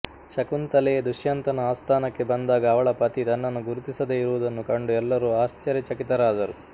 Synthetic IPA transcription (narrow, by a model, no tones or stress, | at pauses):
ʃɐkunt̪ɐlɛed̪uʃjɐnt̪ɐnɐaːst̪ʰaːnɐkːe̞bɐnd̪aːɡɐːʋɐɭɐpɐt̪it̪ɐnːɐnːuɡuɾut̪isɐd̪eiɾuʋud̪ɐnːukɐɳɖuɛlːɐɾuaːst͡ʃɐɾjɐt͡ʃɐkit̪ɐɾaːd̪ɐɾu